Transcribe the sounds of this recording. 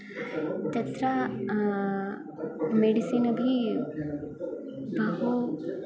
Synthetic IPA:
t̪ɐt̪ɾa | meɖisiːnɐbʱi | bʱɐɦu

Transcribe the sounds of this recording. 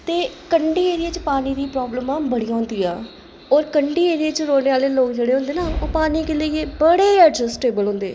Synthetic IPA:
t̪eːkəɳɖiːeːɾiet͡ʃpaːniːd̪iːpɾɔːbləmãːbəɽiːjãːʊ̃ːnd̪iːaː | ɔːɾkəɳɖiːeːɾiet͡ʃɾoːneːaːleːloːkd͡ʒeːɽeːɦʊ̃nd̪eːnaːoːpaːniːkeleieːbəɽeːɛʈd͡ʒəsʈeːbəlɦʊ̃ːnd̪eː

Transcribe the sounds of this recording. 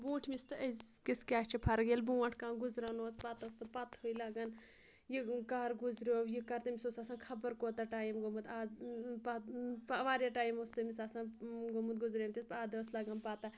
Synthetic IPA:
bũːʈʰmist̪ɨɐzkiskʲaːt͡ʃʰipʰɐɾɡelbuːɐʈʰkãːɡuzɾaːnoːt͡spat̪ɐst̪ɨpɐt̪hoilaːɡan | jikaːɾɡuzɾoːwjikɐɾt̪ɐmisoːsaːsãːkʰɐbəɾkoːt̪aʈaːjimɡomut̪aːzpapːʋaːɾʲjaːʈaːjimost̪ɐmisaːsãːnɡomut̪̚ɡuzɾeːmt̪ʲispaːd̪ɐslaːɡanpaːt̪a

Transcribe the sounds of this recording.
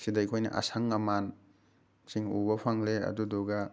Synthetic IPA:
sidɐjkʰojnɐ̰ʔa̰saŋːɐman | siŋṵbɐpʰaŋleɐ̰duduɡɐ

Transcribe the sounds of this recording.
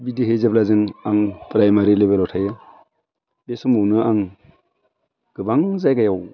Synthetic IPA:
bidiɦezaplazɯŋaŋpɾajmaɾilebelɔtʰajɯ | besɯmɯwnɯaŋ | ɡ̥ɯbaŋzajɡajaw

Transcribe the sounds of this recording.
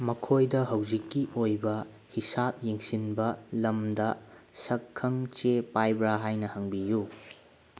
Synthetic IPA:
mɐkʰojdɐɦɐwzikːiʔojbɐ | hisap̚jeŋsinbɐlɐmdɐsɐkʰːɐŋt͡ʃepajbɾaɦajnɐhɐŋbiju

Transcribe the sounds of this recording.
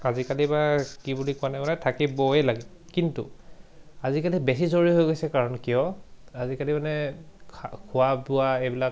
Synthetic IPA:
azikalibakibulikʊanɛmanɛtʰakibɔɛlaɡɛ | kintṵ | azikalibesizoɹiɦojɡojsɛkaɹɔnkijɔazikalimanɛkʰakʰʊabuaejbilak

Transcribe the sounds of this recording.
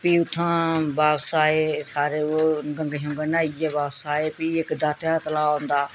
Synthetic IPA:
piːʊt̪ʰːãːbaːpsaːeːsaːɾeːoːɡə̃ŋɡɦõːŋɡənaːɪjaːbaːpsaːeːpiːɪkd̪aːt̪jaːt̪əlaːõːnd̪aː

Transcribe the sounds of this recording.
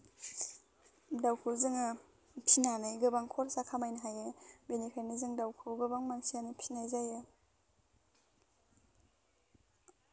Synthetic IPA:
dawkʰulzɯŋɯ | pʰinanɯjɡɯbaŋkʰɔɾsakʰamajnaɦajebenipʰeɾnizɯŋdawkʰulɡɯbaŋmamsianipʰinajzaje

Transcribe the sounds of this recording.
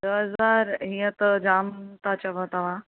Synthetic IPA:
d̪əɦəzaɾɦĩjət̪d͡ʒamt̪at͡ɕaʋət̪aʋa

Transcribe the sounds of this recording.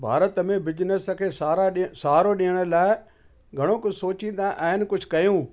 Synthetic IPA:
bʱa̰ːɾət̪mẽbɪd͡ʒnəskʰeːsaːɾaɗsaːɾoɗɪjəɽ̃əlaːɪ | ɡʱɐɽ̃okʊsoːt͡ʃĩnd̪aʔaɦɪnkʊd͡ʒʱkɐjũː

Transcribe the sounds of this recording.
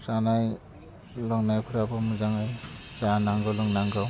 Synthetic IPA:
sanaj | lɔŋnajkʰuɾabɔmuzaŋɯj | zaanaŋɡɯwlɔŋnaŋɡɯw

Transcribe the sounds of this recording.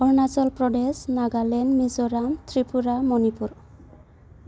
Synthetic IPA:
ɔɹnasɔlpɹɔdesnaɡalɛnmizoɾamt̪ʰɹipuɾamɔnipuɾ

